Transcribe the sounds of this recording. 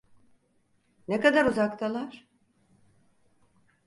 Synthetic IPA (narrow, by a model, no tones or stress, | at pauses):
nekad̪aɾuzakt̪ʰalˠaɾ̥